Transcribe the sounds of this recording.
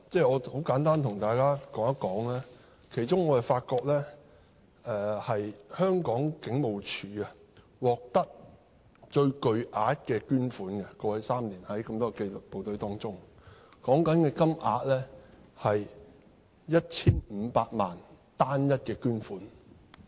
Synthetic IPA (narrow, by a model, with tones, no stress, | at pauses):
t͡sɛː˥˩ɔː˨˧ho˨˥wkaː˨˥nt̪aː˥nt̪ʰʊ˨˩ŋt̪aː˨˩jkaː˥kɔː˨˥ŋɐ˥kːɔː˨˥ŋlɛː˥ | kʰe˨˩jt͡ʃʊ˥ŋɔː˨˧ɐ˨˩faː˧t̚kɔː˧k̚lɛː˥ | ʔɛː˨hɐ˨jhœː˥ŋkɔː˨˥ŋkɪ˨˥ŋmo˨wt͡ʃʰyː˨˥ɐ˧ | wɔː˨k̚t̪ɐ˥k̚ | t͡ʃɵ˧ɥkɵ˧ɥʔaː˨˧t̚kɛː˧kyː˥nfuː˨˥nɡɛ˧kɔː˧wɐ˨˥jsaː˥mliː˨˩nhɐ˨˦jkɐ˧mt̪ɔː˥ɛ˧ke˧lʊ˨k̚po˨wt̪ɵ˨˥ɥt̪ɔː˥ŋt͡sʊ˥ŋkɔː˨˥ŋkɐ˨˥nkɛː˧kɐ˥mʔa̰ː˧t̚lɛː˥hɐ˨j | jɐ˥t̚t͡sʰiː˥nm̩˨˧paː˧t̚maː˨˩n | t̪aː˥njɐ˥t̚kɛː˧kyː˥nfuː˨˥n